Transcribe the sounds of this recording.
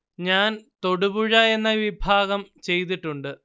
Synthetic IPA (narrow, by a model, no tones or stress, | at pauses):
ɲaːnt̪o̞ɽubuɻaje̞nːɐjʋibʱaːɣɐmt͡ɕe̞jt̪̬iʈːuɳɖɨ